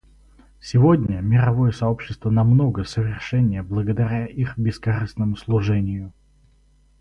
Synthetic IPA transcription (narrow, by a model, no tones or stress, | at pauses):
sʲɪvo̞dʲnʲəmʲɪɾɐvo̞jəsɐo̞pɕːɪ̥st̪vənɐmno̞ɡəsəvʲɪrʂɛnʲɪjəblˠəɡəd̪ɐɾʲaʔixbʲɪskɐrɨsnəmʊslˠʊʐɛnʲɪjʊ